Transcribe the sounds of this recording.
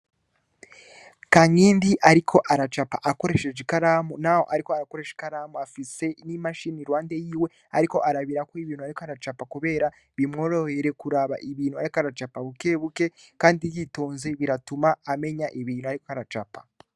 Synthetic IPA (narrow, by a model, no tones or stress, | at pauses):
kaŋiːndiʔaɾikʰo̞ʔaɾat͡ʃapaʔako̞ɾe̞ʃeʒikaɾamonaho̞̰ʔaɾikoaɾako̞ɾe̞ʃi̥kaɾamoafise̞nimaʃiniɾwaːnde̞jiːwe̞ | a̰ɾiko̞ʔaɾaβiɾakoiβiːnuaɾikoaɾat͡ʃapakuβe̞ːɾa | βimŋoɾoheɾe̞kuɾaβa̰ʔiβiːnhuaɾikaɾat͡ʃapaβuke̞ːβuke̞kaːndijitoːnzeβiɾatumaːme̞ɲaʔiβiːn̤uaɾikoaɾat͡ʃapḁ